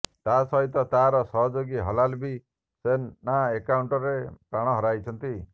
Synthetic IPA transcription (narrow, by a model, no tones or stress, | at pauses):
t̪asɔɦit̪ɔt̪aɾɔsɔɦɔd͡ʒoɡiɦɔlalbi | senːaekawɳʈɔɾepɾaɽ̃ɔɦɔɾajt͡ʃʰɔnt̪i